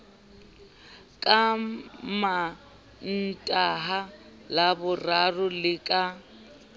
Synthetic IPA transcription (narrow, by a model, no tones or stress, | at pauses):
kʼama | n̩tʼaɦa | labʊrarʊlɪkʼa